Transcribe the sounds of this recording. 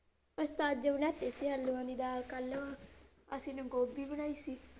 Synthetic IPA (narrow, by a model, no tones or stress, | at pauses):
əst̪aːd͡ʒəbənɛːt̪eːsiːɦəlːuːãːd̪iːd̪aːlkəlːʋaː | əsĩːnũːɡoːbiːbənaːiːsiː